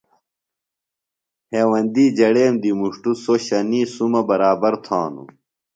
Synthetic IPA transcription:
heːwɐnd̪iːd͡ʑɐɽeːmd̪imuʂʈusoɕɐniːsumɐbɐɾaːbɐɾt̪ʰãːnṵ

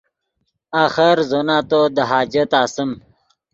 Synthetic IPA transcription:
aːxəɾzonaːt̪od̪əɦaːd͡ʑɐt̪aːsəm

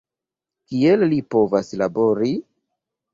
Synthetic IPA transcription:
kiellipo̞vaslabo̞ɾi

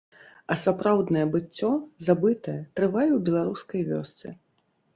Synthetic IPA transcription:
ɐsapɾawd̪nɐjɛbɨt͡sʲːɔzabɨt̪ɐjɛt̪ɾɨvajɛwbʲɛlˠaɾuskɐjvʲɔ̰st̪sɨ̰

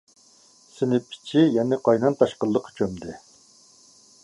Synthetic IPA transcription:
sɪnɪpʰːɪ̥t͡ʃʰijɛnɪqʰɑjnɑnt̪ʰɑʃqəlˠːəqʰt͡ʃʰømd̪ɪ

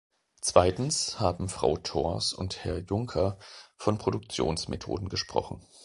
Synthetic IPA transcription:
t͡sv̥aɪtn̩shaːbm̩fʁ̥a̰ʊtʰɔɐsʊ̰nthɛɐjʊŋkʰɐfɔnpʁ̥odʊk̚t͡sjo̰ːnsmetʰo̰ːdn̩ɡəʃpʁ̥ɔ̰χn̩

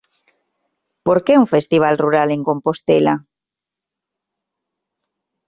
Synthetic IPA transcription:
poɾkeuŋfest̪iβ̞alruɾaleŋkompost̪ela

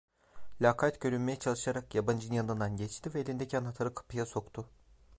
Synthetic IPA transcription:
lʲakʰat̪ɟø̞ɾynmejɛt͡ʃʰalˠɯʃaɾakjaband͡ʒɯnjand̪ɯnd̪anɟɛt͡ʃt̪ivɛːlʲind̪ɛcʰænat̪ʰaɾɯkʰɯ̥pʰɯjaso̞kt̪ʰʊ

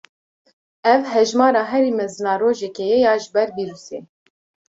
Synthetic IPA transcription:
ɛvɦɛʒmɑːɾɑːɦɛɾiːmɛzɨnɑːroːʒɛkɛjɛjɑːʒɪbɛɾbiɾuseː

